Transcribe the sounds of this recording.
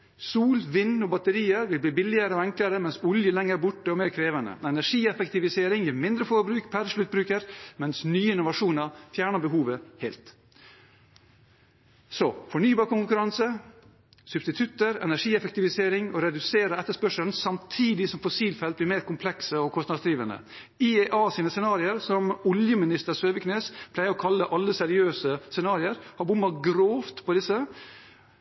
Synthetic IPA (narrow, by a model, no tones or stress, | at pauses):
suːlʋɪnːɔbɑt̪əɾiːəɾʋɪlbliːbɪlɪəɾəɔɛŋkləɾəmɛnsʊljəlɛŋːəɾbʊʈːəɔmeːɾkʰɾeːʋənə̰ɛnæʂiːɛfɛkt̪ɪʋɪseːɾɪŋjimɪnd̪ɾəfɔɾbɾʉːkpʰæɾʂlʉt̪̚bɾʉːkəɾmɛnsnyːəɪnʊʋɑʂuːnɑfjæːɳəbəɦuːʋəheːlt̪ | sɔfɔɳyːbɑːɾkʊŋkʉɾɑnsə | sʉb̥st̪ɪt̪ʰʉt̪ːəɾɛ̰næʂiːɛfɛk̚t̪ɪʋɪseːɾɪŋɔɾɛd̪ʉseːɾəɛt̪ːəʂpœʂəln̩sɑmt̪ʰiːd̪ɪsɔmfɔsiːlfɛlt̪̚bliːɾmeːɾkʊmpʰlɛksəɔkʰɔst̪ɑd̪sd̪ɾiːʋənə̰ | ɪeʔɑːsiːnəsɛnɑːɾɪəɾsɔmɔljəmɪnɪst̪əɾsøːʋəkʰneːspʰlæɪəɾɔkʰɑlːəʔɑlːəsɛɾɪøːsəsɛnɑːɾɪəɾhɑbʊmːɑɡɾoːft̪pʰɔd̪ɪsːə